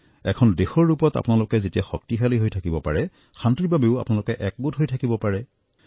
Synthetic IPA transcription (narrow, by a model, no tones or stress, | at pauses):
ɛkʰɔndexɔɹːupɔta̰pʊnalʊkɛzetijaxɔk̚tixaliɦojtʰakibɔpaɹɛ | xantɹibʱabeʊa̰pʊnalʊkɛʔɛk̚ɡutɦojtʰakibɔpaɹɛ